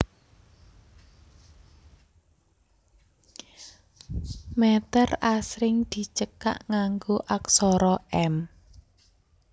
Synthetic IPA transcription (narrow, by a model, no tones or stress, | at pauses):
mɛt̪ərasɾɪŋd̪̥i̤t͡ʃəka̰ʔŋaŋɡoʔaksɔɾɔɛm